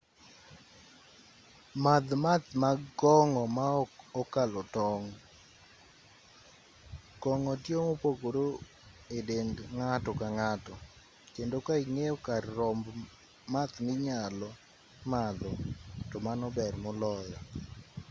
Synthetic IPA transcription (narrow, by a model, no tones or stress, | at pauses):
mad̪mat̪maɡɔŋɔmaɔkalɔtɔŋ | ɡ̥ɔŋɔtjomopokoɾo | edendŋatɔkaŋatɔ | kendokaiŋeokarːɔmb | mat̪mɪɲalɔ | mad̪ɔtɔmanɔbɛrmɔlɔjɔ